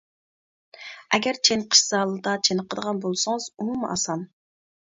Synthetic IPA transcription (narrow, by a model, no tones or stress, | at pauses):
ɛɡʲɛɾt͡ʃʰenqʰə̥ʃsɑːlˠɨd̪ɑt͡ʃʰenəqʰəd̪əʁɑnbolˠsɨŋɨz̥umumɑ̰sɑm